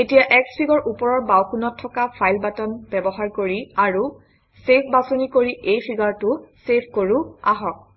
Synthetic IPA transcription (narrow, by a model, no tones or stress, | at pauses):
etijaʔɛkspʰiɡɔɹʔupɔɹɔɹbawkunɔtʰːɔkapʰajlbatɔnbɛbɔɦaɹkoɹiaɹu | sepʰbasonikoɹiʔejpʰiɡaɹtʊsepʰkoɹua̰ɦɔk̚